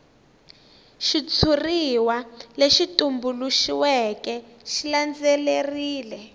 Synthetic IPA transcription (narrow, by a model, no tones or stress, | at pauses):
ʃit͡sʰuriwaleʃitʼumbuluʃiwɛkɛʃiland͡zɛleriːlɛ